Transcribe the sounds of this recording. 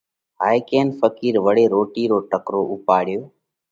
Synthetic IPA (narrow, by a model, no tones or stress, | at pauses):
ɦaːikeːnfəkiːɾʋəɽeːɾoːʈiːɾoːʈəkɾoːʔʊpaːɽɪjoː